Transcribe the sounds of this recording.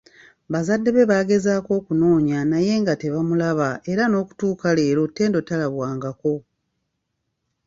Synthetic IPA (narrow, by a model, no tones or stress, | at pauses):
βazadːe̞βe̞βaːɡe̞zaːko̞ːkuno̞ːɲanaje̞ːŋɡate̞βamulaβae̞ɾano̞ːku̥tuːkale̞ːɾo̞te̞ːndo̞talaβwaːŋɡako̞